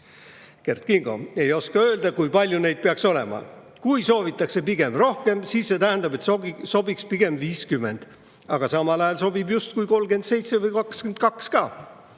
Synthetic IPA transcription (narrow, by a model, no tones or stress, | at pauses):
ke̞rt̪̚kiŋɡ̥o̞̰e̞jo̞skɑø̞ːld̪̥ɑkujpɑlʲjune̞jd̪̥̚peɑkso̞le̞̰mɑ̰ | kujso̞ːvit̪ːˑɑkse̞piɡ̥e̞mro̞hke̞msiːsːe̞t̪æɦænd̪̥ɑbe̞t̪so̞bikspiɡ̥e̞mviːskymːe̞nd̪̥ | ɑɡ̥ɑsɑmɑlɑjɑlso̞bibjust̪̚kujko̞lɡ̥e̞nd̪se̞jt̪se̞vɯjkɑkskend̪̚kɑkskɑː